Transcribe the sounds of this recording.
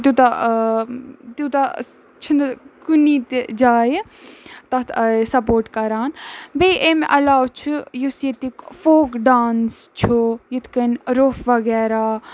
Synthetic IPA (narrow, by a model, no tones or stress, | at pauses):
t̪ut̪a | t̪ut̪a | t͡ʃʰinkunit̪d͡ʒaːjit̪ɐt̪ʰsɐpoːɾʈkɐɾaːnbeʔemʔɐlaːwt͡ʃʰujusjet̪ikfoːkɖaːnst͡ʃʰujit̪kɐnɾoːfʋɐɡɛːɾa